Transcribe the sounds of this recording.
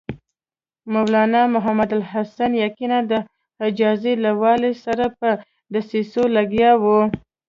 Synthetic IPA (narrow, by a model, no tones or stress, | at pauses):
mawlɑnɑmʊɦamad̪alɦasanjakinad̪ə | hɪd͡ʒɑzelawɑlesaɾapə | d̪asisolaɡjɑwu